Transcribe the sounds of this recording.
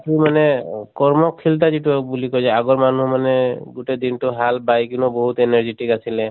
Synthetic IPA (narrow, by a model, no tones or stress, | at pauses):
pimanɛkɔɹmɔkʰilt̬azituabulikɔjzaaɡɔɹmanumanɛɡutɛd̪intʊɦalbajkunɔbɔɦut̪enaɹziʈikasilɛ